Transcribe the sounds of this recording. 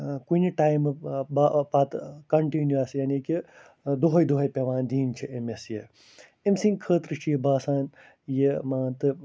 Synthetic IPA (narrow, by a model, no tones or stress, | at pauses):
kuniʈaːjmɨbapɐt̪kɐɳʈinjuɐsjaːniki | d̪uɦɐjd̪uɦɐjpʲeʋaːnd̪iːnt͡ʃʰiemesje | emsĩŋkʰəːt̪ɾɨt͡ʃʰijibaːsaːn | jemãːnt̪ɨ